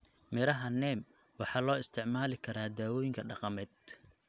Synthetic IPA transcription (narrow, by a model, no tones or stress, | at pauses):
mɪɾɐɦɐnɛːm | wɑħɑːlɔːɪst̪ʰɪʕmaːlɪkʰɐɾaːd̪aːwɔːjɪŋkʰɐɖɑqɑmɛːd̪̚